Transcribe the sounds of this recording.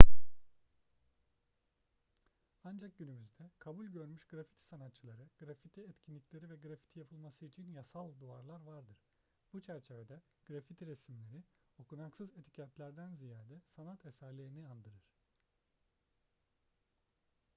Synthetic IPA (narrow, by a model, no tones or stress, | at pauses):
and͡ʒak̚ɟynymyzd̪ɛkʰabulʲɟø̞ɾmyʃɡ̥ɾafi̥t̪ʰi̥sanat̪t͡ʃʰːɯlˠaɾɯɡ̥ɾafit̪ʰiɛt̪cʰinlʲiclʲeɾivɛɡɾafi̥t̪ʰijapʰɯlˠmasɯit͡ʃʰinjasalˠd̪uaɾlˠaɾvaɾd̪ɯɾ̥ | but͡ʃʰæɾt͡ʃʰe̞ved̪ɛ | ɡ̥ɾafit̪ʰiɾesimlʲe̞ɾio̞kʰunaksɯzet̪ʰi̥cʰat̪lʲæɾd̪ænzijaːd̪ɛsanat̪ʰɛsæɾlʲeɾiniand̪ɯɾɯɾ̥